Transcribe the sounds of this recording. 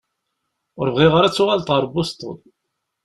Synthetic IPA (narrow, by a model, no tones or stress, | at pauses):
ʊɾvʁiʁəɾæt͡sːʊʁalt̪ˤʁəɾˤbʊst̪ˤə̰n